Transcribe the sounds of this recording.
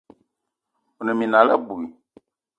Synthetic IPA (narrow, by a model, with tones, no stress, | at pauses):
u˨nɛ̃˨mĩ˨nã˨la˦bu˨i˨